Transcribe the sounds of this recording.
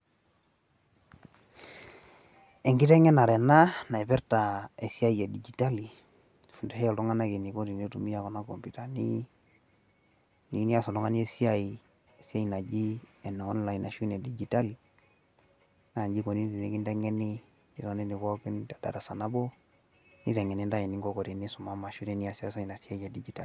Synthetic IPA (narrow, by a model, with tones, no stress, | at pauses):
ɛ˨ŋɡi˦tɛ˦ŋɛ˦na˨ɾɛ˨na˦na˨ɛ˨pɛ˦ɾta˨e˨si˦a˦i˨e˨di˨d͡ʒi˨ta˦li˨ | fu˨ndɛ˦hɛ˦ɛ˨ltɔ˦ŋa˦na˦ki˨ni˨ko˦ti˨ni˦tu˨mi˦ja˨kɔ˨na˦ko˨mpi˨ta˨nḭ˦ | ni˨˦ni˦a˦˨sɔ˨nɔ˦ŋa˦ni˦e˦si˦a˦i˨ | e˨si˦a˦i˨na˨d͡ʒi˦ɛ˨nɔ˨ɔ˦n˦la˨i˨na˨ʃu˦ne˨di˨d͡ʒi˨ta˦li˨ | na˦˨d͡ʒi˦kɔ˨ni˦di˨ni˦ki˦ndɛ˦ŋɛ˦ni˦ | i˨tɔ˦ni˦ni˨kɔ˦ki˦nta˨da̰˨da˨sa˨na˦bɔ˦ | ni˦tɛ˨ŋɛ˨ni˦nda˦jɛ˨ni˦ŋɡɔ˦kɔ˨ɾi˨ni˦su˨ma˦ma˨ʃu˦ɾɛ˨˦ni˦a˨sa˦sa˦i˨na˨si˦a˦ja˨di˨d͡ʒi˨ta˦li˨